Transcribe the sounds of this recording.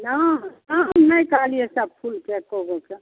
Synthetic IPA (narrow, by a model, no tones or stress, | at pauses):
nanamnəjkaliesab̚pʰulkekoɦoke